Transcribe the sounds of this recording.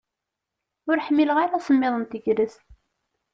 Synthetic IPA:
ʊɾħmːiləʁaɾasəmːɪðˤənt̪əʝɾəs

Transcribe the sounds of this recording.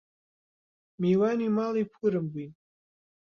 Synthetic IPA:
miwanimalipʰɨɾɨmbi

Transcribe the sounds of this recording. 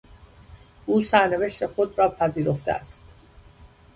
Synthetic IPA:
ʔuːsæɾne̞ve̞ʃt̪e̞xo̞d̪rɒːpʰæziːɾo̞ft̪eʔæ̰st̪

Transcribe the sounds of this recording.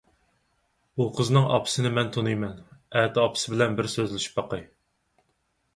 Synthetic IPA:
buqʰəznɨŋʔɑ̰pʰɨ̥sɨnɪmɛnt̪ʰonɨjmɛnɛt̪ɑpʰɨ̥sɪbɪlɛnbɪɾsøzlɪʃi̥pbɑqɨj

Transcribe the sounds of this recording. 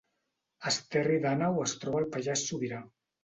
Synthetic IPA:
əst̪ɛriðanawəst̪ɾɔβalpaʒasːuβiɾa

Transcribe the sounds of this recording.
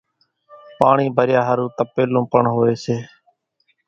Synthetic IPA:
paːɳiːbʱəɾjaːɦəɾũːt̪əpeːlõːpəɳɦoːeːseː

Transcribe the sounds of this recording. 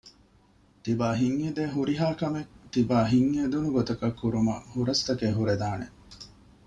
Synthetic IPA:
t̪ibaːɦiŋːed̪eːɦuɾiɦaːkɐmekt̪ibaːɦiŋːed̪unuɡot̪ɐkɐkːuɾumɐ̰huɾɐst̪ɐkeɦuɾed̪aːnḛ

